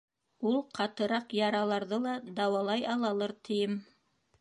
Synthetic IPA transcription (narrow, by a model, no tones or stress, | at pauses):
ulˠqʰɑt̪ɤ̆ɾɑqjɑɾɑlˠɑɾðɤlˠɑd̪ɑwɑlˠɑjɑlˠɑlˠɤɾt̪ʰɘ̆jɘm